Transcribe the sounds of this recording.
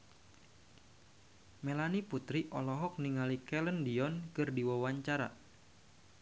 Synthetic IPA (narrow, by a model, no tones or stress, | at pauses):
melaniput̪ɾiʔɔlɔɦɔk̚niŋalikɛləndiɔnkɨrdiwawaɲt͡ʃaɾa̰